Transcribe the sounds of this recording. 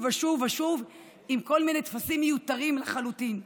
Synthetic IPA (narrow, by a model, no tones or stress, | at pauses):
vaʃuvaʃuv | imko̞lminet̪fasimːejut̪aʁimlaχalut̪in